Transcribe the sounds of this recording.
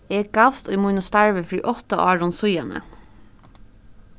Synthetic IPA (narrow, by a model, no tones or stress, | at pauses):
ɛɡafst̪ʊjmʊnʊst̪aɹʋəfɾḭːʔɔht̪aʔɑːɹɔnsʊjɑnə̰